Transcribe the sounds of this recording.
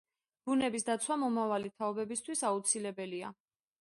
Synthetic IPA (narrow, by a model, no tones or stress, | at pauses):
b̥unɛbisd̪at̪sʰwamɔmavalit̪ʰaɔbɛbist̪ʰwisaut̪sʰilɛbɛlia̰